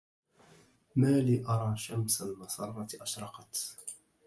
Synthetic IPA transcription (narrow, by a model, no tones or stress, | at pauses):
maːliːʔɑɾˤɑːʃamsalmɑsˤɑrˤːɑt̪ʔaʃɾˤɑqɑt̪